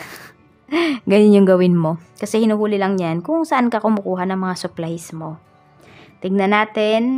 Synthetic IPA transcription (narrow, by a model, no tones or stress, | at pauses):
ɡɐnʊnjʊŋɡɐwɪnmo̞kɐsɛhɪnuːhuːlɪlɐŋjankʊŋsɐʔankɐkʊmʊkuːɦanɐŋmɐŋasʊplajsmo̞ | t̪ɪɡ̚nɐnaːt̪ɪn